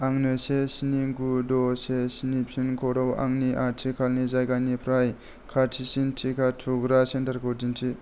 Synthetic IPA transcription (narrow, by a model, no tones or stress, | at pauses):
aŋnɯsesiniɡudɔsesinipʰinkʰɔɾɔwa̰ŋniʔatʰikʰalnizajɡanipʰɾaj | kʰatʰisintʰikʰatʰuɡɾasentaɾkʰɔdintʰi